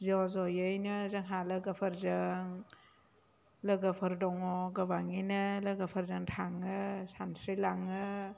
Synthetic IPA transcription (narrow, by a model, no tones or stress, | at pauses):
zɔzɔjɯjnɯzɐŋɦalɐɡəpʰɐɾzaŋ | lɐɡəpʰɐɾdɔŋɔɡɐβaŋinɐlɐɡapʰɐɾzaŋtʰaŋɯsansɾilaŋɯ